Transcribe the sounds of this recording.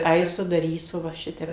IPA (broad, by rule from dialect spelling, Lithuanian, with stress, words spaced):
ˈɐɪsʊ dɐˈrʲiːsʊ ʋɐ ˈʃʲɪtʲɛp